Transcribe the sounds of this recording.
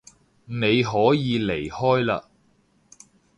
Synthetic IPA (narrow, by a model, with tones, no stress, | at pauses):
ne˨˧jɦɔː˨˥jiː˨˧le˨˩jhɔː˥jla̰ː˧